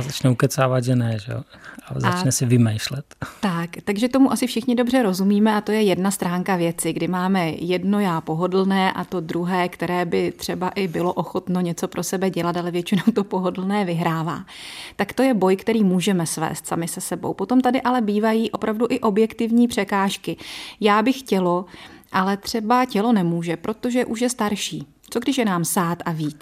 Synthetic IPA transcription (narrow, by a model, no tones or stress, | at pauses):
azat͡ʃnɛukɛt͡saːvad̪ʒɛnɛʒɛ̰o̰azat͡ʃnɛsɪvɪmɛjʃlɛt̪t̪akt̪aɡʒɛt̪o̞muʔasɪfʃɪxɲɪdo̞br̝ɛɾo̞zumiːmɛʔat̪o̞jɛjɛdnast̪ɾaːŋkavjɛt͡sɪɡdɪmaːmɛjɛdno̞jaːpo̞ɦo̞dl̩nɛːʔat̪o̞d̪ɾuɦɛːkt̪ɛɾɛːbɪt̪r̝̥ɛbaʔɪbɪlo̞ʔoxo̞t̪no̞ɲɛt͡so̞pɾʔo̞sɛbɛɟɛlat̪alɛvjɛt͡ʃɪnowt̪o̞po̞ɦodl̩nɛːvɪɦɾaːva̰ːt̪akt̪o̞jɛbo̞jkt̪ɛɾiːmuːʒɛmɛsvɛ̰ːst̪sa̰mɪsɛsɛbo̰wpo̞t̪o̞mt̪adɪʔalɛbiːvajiːʔo̞pɾʔavduʔɪʔo̞bjɛkt̪ɪvɲiːpr̝̥ɛkaːʃkɪjaːbɪxcɛlo̞ʔalɛt̪r̝̥ɛbacɛlo̞nɛmuːʒɛpɾo̞t̪o̞ʒɛʔuʃjɛst̪aɾʃiː | t͡so̞ɡdɪʃjɛnaːmsaːt̪aviːt̪